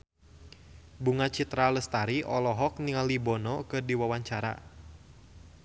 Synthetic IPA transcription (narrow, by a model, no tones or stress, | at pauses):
buŋat͡ʃit̪ɾaləst̪aɾiʔɔlɔɦɔk̚niŋalibɔnɔkɨrdiwawaɲt͡ʃaɾa̰